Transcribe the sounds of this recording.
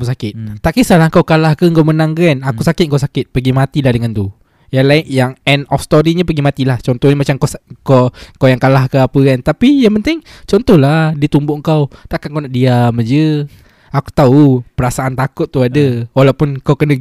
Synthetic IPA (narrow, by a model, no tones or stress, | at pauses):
usakɪt̪̚t̪aʔkisalaŋkawkalahkəŋkawmənaŋkanakusakɪt̪̚ŋkawsakɪt̪̚pəɡimat̪ilahdəŋant̪u | jaŋlaɪjaŋɛnɔfst̪oɾiɲəpəɡimat̪ilaht͡ʃɔnt̪ɔhɲəmat͡ʃamkskokawjaŋkalahkəapəkant̪apijaŋpənt̪ɪŋt͡ʃɔnt̪ɔhlahdit̪umbʊʔŋkawt̪aʔkankawnaʔdiaməd͡ʒə | aku̥t̪aupəɾasaʔant̪akʊt̪̚ːuadəwalawpʊnkawkənə